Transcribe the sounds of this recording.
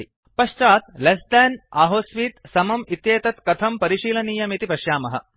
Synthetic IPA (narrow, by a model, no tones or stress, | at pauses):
i | pɐʃt͡ʃaːt̪̚lesd̪ɛnaːɦoːsʋiːt̪sɐmɐmit̪jeːt̪ɐt̪kɐt̪ʰɐmpɐɾiʃiːlɐniːjɐmit̪ipɐʃjaːmɐɦɐ̰